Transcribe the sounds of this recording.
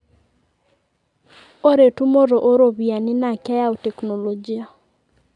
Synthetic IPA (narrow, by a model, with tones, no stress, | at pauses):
o˦ɾe˨tu˦mo˦ɾo˨ʔo˦ɾo˨βi˨a˨nɪ˦na˨ka˦ja˦o˨tɛ˨kno˨lo˨d͡ʒi˦a˨